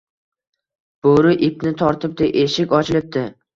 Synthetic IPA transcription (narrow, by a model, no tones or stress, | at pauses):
b̥oɾɪʔɪpnɪt̪ʰɒɾt̪ʰɪp̚d̪eʔeʃɪkʲɒt͡ʃʰɪlɪp̚d̪ɪ